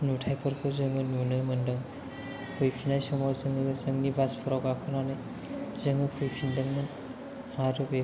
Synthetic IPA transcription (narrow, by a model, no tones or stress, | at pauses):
nutʰajpʰɯɾkʰɯzɯŋɯnunɯmɯndɯŋ | pʰujpʰinajsɔmazɯŋɯzɯŋnibaspʰɔɾawɡakʰɯnanɯj | zɯŋɯpʰujpʰindɯŋman | aɾube